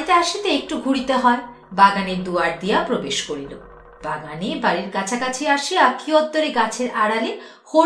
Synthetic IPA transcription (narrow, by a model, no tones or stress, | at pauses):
it̪eaʃit̪eek̚ʈuɡʱuɽit̪eɦɔe | baɡaneɾd̪uaɾd̪ijapɾobeʃkoɾilo̰ | baɡanibaɾiɾkat͡ɕʰakat͡ɕʰiaʃiakʰiɔd̪ːoɾeɡat͡ɕʰeɾaɽale | ho